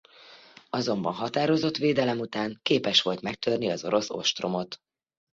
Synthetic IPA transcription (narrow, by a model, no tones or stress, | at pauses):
ɒzo̞mbɒnɦɒt̪aːɾo̞zo̞t̪ʋeːd̪ɛlɛmut̪aːŋkeːpɛʃʋo̞lt̪mɛk̚t̪ørniɒzo̞ɾo̞so̞̰ʃt̪ro̞mo̞t̪